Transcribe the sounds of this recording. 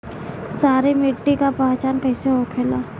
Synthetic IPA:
saːɾimɪʈːikapãːt͡ʃaːnkɛɪseɦokʰeːlaː

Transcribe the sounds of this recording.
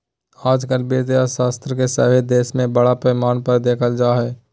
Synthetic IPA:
aːd͡ʒkəlbiɾt̪eaʃaːst̪ɾəkesə̰bed̪eːʃmẽbəɽapɾəmaːnpəɾd̪eːkʰəld͡ʒaːɦɛː

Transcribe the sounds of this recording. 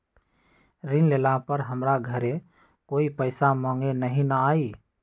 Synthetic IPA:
ɾɪnlelapəɾɦəmɾaɡʱəɾe | koːipəɪsamãːŋɡenəɦĩnəaːi

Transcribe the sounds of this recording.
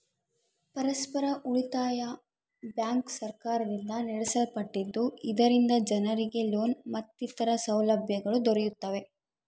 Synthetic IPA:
pɐɾɐspɐɾɐʔuɭit̪aːjɐ | bjaːŋksɐɾkaːɾɐd̪ind̪ɐnɛɽɛsɐlpɐʈːid̪ːuid̪ɐɾind̪ɐd͡ʒɐnɐɾiɡe̞loːnmɐt̪ːit̪ɐɾɐsɐwlɐbʱjɐɡɐɭud̪ɔɾɛjut̪ːɐʋe̞

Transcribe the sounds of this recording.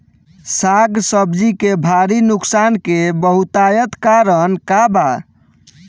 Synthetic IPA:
saɡsəbd͡ʒikebʱaɾinuksankebəɦut̪ajət̪kaɾənkaba

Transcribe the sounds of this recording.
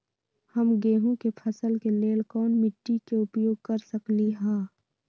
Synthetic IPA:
hɐmɡeːɦũkepʰɐsəlkeleːlkɔːnmɪʈːikeʊpjoːɡ̚kɐɾsəkliɦãː

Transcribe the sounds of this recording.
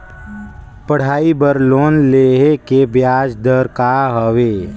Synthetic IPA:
pəɽ̤aːibəɾloːnleːɦekebjaːd͡ʒd̪əɾkaɦəʋeː

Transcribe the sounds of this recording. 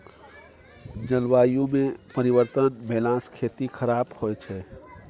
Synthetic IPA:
d͡ʒəlwaːjũmẽpəɾiʋəɾt̪ənbɛlãskʰet̪ikʰəɾabhojt͡ʃʰɛ

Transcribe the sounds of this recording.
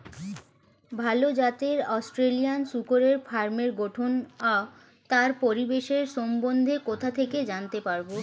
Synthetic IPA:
bʱalod͡ʑat̪eɾɔsʈɾelijansukoɾeɾfaɾmeɾɡoʈʰona | t̪aɾpoɾibeʃeɾʃɔmbond̪ʱekot̪ʰat̪ʰeked͡ʑant̪epaɾbo

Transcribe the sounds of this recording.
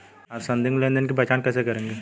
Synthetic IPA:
aɾsɐ̃nd̪ɪ̃ŋɡlẽnd̪ənkebɐt͡ʃaːnkɛːsekɐɾẽːŋɡe

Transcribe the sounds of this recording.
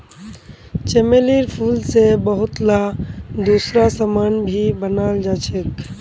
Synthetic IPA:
t͡ʃemeliɾpʰulsebəɦʊt̪lad̪usɾasəmanbʱibənald͡ʒat͡ʃʰek

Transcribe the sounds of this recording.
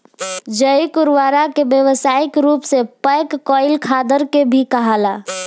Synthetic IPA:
d͡ʒəjkʊɾʋaɾakebjəʋsaɪkɾuːpsepəjkːɔɪlkʰad̪əɾkebʱikəɦala

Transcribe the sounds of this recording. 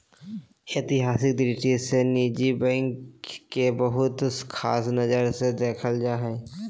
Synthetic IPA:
eːt̪ɪɦaːsɪk̚d̪ɾɪʈiseniːd͡ʒibɛ̃ːŋkkːebəɦʊt̪ʊskʰaːsnɐd͡ʒəɾsed̪eːkʰəld͡ʒaːɦɛː

